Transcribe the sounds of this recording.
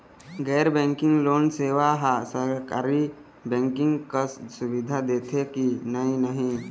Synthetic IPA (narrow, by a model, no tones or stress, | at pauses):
ɡɛːɾbẽːŋkɪ̃ŋɡloːnseːʋaɦasəɾkaːɾi | bɛ̃ːŋkɪ̃ŋɡkəssʊbɪd̪ʱad̪eːt̪ʰekinəinəɦĩ